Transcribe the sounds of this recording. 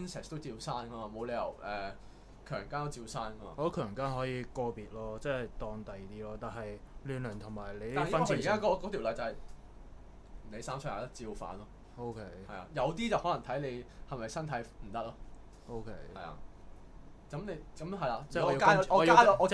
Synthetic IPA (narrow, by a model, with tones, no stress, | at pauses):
nsɛ˨˩st̪o˥wt͡siː˧wsaː˥nkɐ˥maː˨mo˨˧wle˨˧jɐ̰˨˩wʔɛː˨ | kʰœː˨˩ŋkaː˥nt̪o˥wt͡siː˧wsaː˥nkɐ˥ma̰ː˧˨o˨˥kʰœː˨˩ŋkaː˥nɦɔː˨˥jiː˨˧kɔː˧piː˨t̚lɔː˥t͡sɛː˥t̪ɔː˧ŋt̪ɐ˨jt̪iː˥lɔː˥t̪aː˨nhɐ˨j | lyː˨nlœː˨˩nt̪ʰʊ˨˩ŋmaː˨˩jle˨˧j̪ːfɐ˥nʰː˧˨kaː˥kɔ˨˦˥kɔ˨˧t̪ʰi˨˩wlɐ˨jt͡sɐ˨˧hɐ˨j | ne˨˧jsaː˥msʰjaː˨˧˩t̪ɐ˥t͡siː˧wfa̰ː˨˥nlɔː˥ | o˥wkʰe˥jhɐ˨jla̰ː˧jɐ˨˧wt̪iː˥t͡sɐ˨whɔː˨˥lɐ˨˩ŋt̪ʰɐ˨˥jle˨˧jhɐ˨mɐ˨jsɐ˥nt̪ʰɐ˨˥jm̩˨˩t̪ɐ˥k̚lɔː˥ | o˥wkʰe˦˥jhɐ̰˨˩jla̰ː˧ | kɐ˨˥mne˨˧kɐ˨˥mɦɐ˨jlaː˨˥˨ɔ˨˧jkaː˥˧ɔː˧ɔ˨˧ka˧˥ɔ˨˧ɔː˨˧